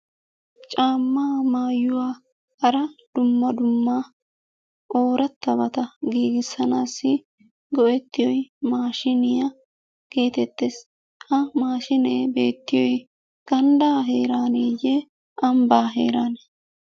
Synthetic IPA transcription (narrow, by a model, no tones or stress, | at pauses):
t͡ʃʼaːmːaːmaːjʊwaː | hɐɾɐd̪̥ʊmːɐd̪ʊmːaː | ʔoːɾɐt̪ːɐbɐt̪ɐɡiːɡɪsːɐnaːsːɪ | ɡɔʔɛt̪ːɪjɔjmaːʃɪnɪjɐ | ɡ̥e̞ːt̪ɛt̪ːɛs | hɐmaːʃɪneːbe̞ːt̪ːɪjɔj | ɡ̥ɐnd̪aːɦeːɾaːneːjɛ | ʔɐmbaːɦḛːɾaːnɛ